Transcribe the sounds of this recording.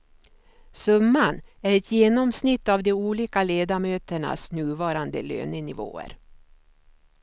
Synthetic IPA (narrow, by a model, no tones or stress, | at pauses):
sɵmːanæɾɛt̪jeːnɔmsnɪt̪ːavd̪ɛuːliːkaleːd̪amøːt̪əɳa̰snʉ̟ːvɑːɾand̪ə̰lø̰ːnənɪvo̰ːə̰ɾ